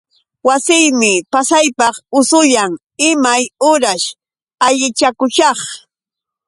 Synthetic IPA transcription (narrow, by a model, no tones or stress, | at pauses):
wasɪjmɪpasajpɑχʊsʊʎaŋ | ɪmajʊɾaʃ | aʎɪt͡ʃakʊʃɑχ